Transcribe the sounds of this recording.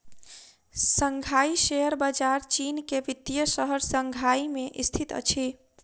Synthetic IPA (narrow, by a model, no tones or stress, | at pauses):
səŋɡʱaiʃejəɾbad͡ʒaɾt͡ʃinkeʋid̪ijəsəɦəɾsəŋɡʱaimeʔist̪ʰit̪ə̰t͡ʃʰi